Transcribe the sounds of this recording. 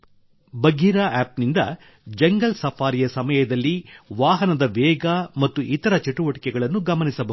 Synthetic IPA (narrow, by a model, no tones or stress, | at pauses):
bɐɡiːɾaːaːp̚nind̪ɐ | d͡ʒɛŋɡɐlsɐpʰaːɾijɐsɐmɐjɐd̪ɐlːiʋaːɦɐnɐd̪ɐʋɛːɡɐmɐt̪ːuʔit̪ɐɾɐt͡ʃiʈuʋɐʈi̥kɛɡɐɭɐnːuɡɐmɐnisɐbɐ